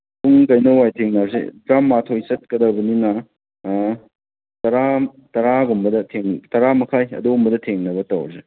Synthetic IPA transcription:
puŋkɐjnɐwajtʰeŋnazḛbɾamːatʰojsɐt̚kɐdawbɐninɐ | tɐɾa | tɐɾaɡumbɐdɐtʰeŋtɐɾamɐkʰajɐ̰dombɐdɐtʰeŋnɐbɐtɐwɾze

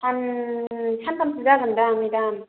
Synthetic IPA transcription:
an | sʰankamsʰɯzaɡɯndamidam

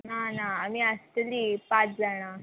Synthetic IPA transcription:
nanaːmiast̪əlipat͡sd͡zaɽ̃a

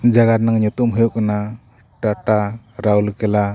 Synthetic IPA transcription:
d͡ʒaɡaɾnaŋɲut̪umɦɯjokna | ʈaʈa | ɾawlkɛla

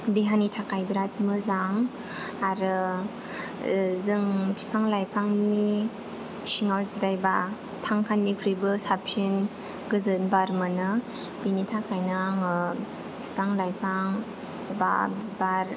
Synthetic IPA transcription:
deɦanitʰakʰajbiɾat̚mɯzaŋ | aɾɯ | zɯŋtʰi̥pʰaŋlajpʰaŋni | siŋaɾsdajba | tʰaŋkʰanːipʰɾibɯsapsin | ɡɯzɯnbaɾmɯnɯbinitʰakʰajnaŋɯ | tʰi̥pʰaŋlajpʰaŋ | ba̰bzbaɾ

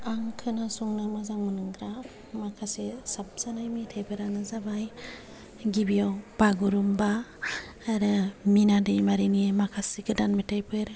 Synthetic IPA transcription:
aŋkʰɯnasuŋnamazaŋmɯnɯŋɡɾa | makʰasesap̚z̥anajmitʰajpʰɯɾanɯzabaj | ɡibijawb̥aɡuɾumbaː | ɾɯminadɯjmaɾinimakʰasikɯdanmitʰajpʰɯɾ

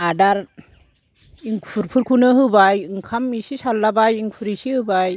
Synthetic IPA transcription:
adaɾ | iŋpʰuɾpʰuɾkʰunɯɦɯbajɯŋkʰamisisalːabajiŋpʰuɾisihɯbaj

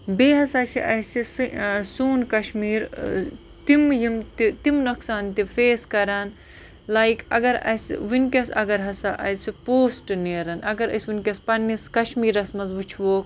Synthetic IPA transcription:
beːɦɐsaːt͡ʃʰḭʔɐsissuːnkɐʃmiːɾ | t̪imjimt̪it̪imnɐksaːnt̪ifeːskɐɾaːn | lajkɐ̰ɡɐɾɐ̰sʲʋinkʲɐsɐ̰ɡɐɾɦɐsaʔɐ̰t̪sipoːsʈneːɾɐnʔɐɡɐɾɐ̰sʲʋinʲkʲɐspɐnːiskɐʃmiːɾɐsmɐzʋut͡ʃʰʋoːk

